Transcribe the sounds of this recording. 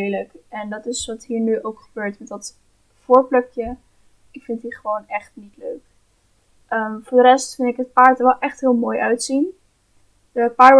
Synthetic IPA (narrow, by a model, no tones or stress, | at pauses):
ləkɛndɑtɪsʋɑtɦiːɹnyʔowkχəbøːɹtmɛdɑt | fʊːɹplœkjə | ɪkfɪntiχəʋownɛχtnitløɥk | ʔəmvʊːɹdərɛstfɪntɪkɦət̚paːɹtəɹʋɛlˠʔɛχtɦɪːlˠmoːjʔœɥtsin | əəpaːɹ